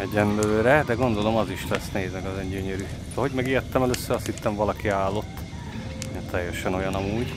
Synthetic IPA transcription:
ɛɟɛmbøːɾɛd̪ɛɡo̞nd̪o̞lo̞mɒziʃlɛsnɛɦeːzmɛɡɒzɛɲɟøɲɛɾysoɦoɟmɛɡiːt̪ːɛmɛløːsːøɾɒshit̪ːɛɱvɒlɒkiaːlːo̞t̪ː | ɛt̪ʰɛjːɛʃɛno̞jɒnɒmuːɟ

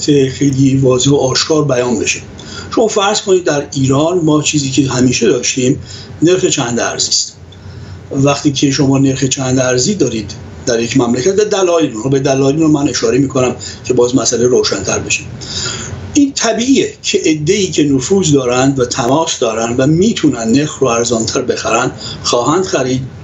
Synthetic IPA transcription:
t̪ʰexe̞jlivɒːzehoɒːʃkʰɒːɾbæjɒːnbe̞ʃe | ʃo̞mɒːfæɾz̥kʰonid̪ːæɾiːɾɒːnmɒːt͡ʃʰiːziːcʰeɦæmiːʃe̞d̪ɒːʃt̪iːm | ne̞ɾxe̞t͡ʃʰænd̪æ̰ɾziːst̪ | væxt̪iːcʰe̞ʃomɒːne̞ɾxe̞t͡ʃʰænd̪æɾziːd̪ɒːɾiːd̪ | d̪æɾjecʰmæmlæcʰæt̪væd̪ælɒːjelunhoːbed̪ælɒːjelinɾomæne̞ʃɒːɾemiːkʰo̞næm | cʰe̞bɒːzmæsæleɾoːʃænt̪ʰæɾbe̞ʃim | ʔiːnt̪ʰæbiːʔiːecʰeʔed̪ːeiːcʲʰe̞nofuːzd̪ɒːɾænd̪væt̪ʰæmɒːsd̪ɒːɾænd̪væmiːt̪ʰunænneɾxɾoæɾzɒːnt̪ʰæɾbe̞xæɾænd̪xɒːɦænd̪̥xæɾiːd̪

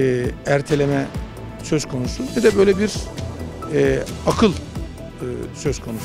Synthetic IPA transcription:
æɾt̪ʰe̞lʲemɛ | sø̞z̥kʰo̞nusunɛd̪ɛbø̞jlʲebiɾ | ɛakʰɯlˠ | ɯsø̞z̥kʰo̞nus

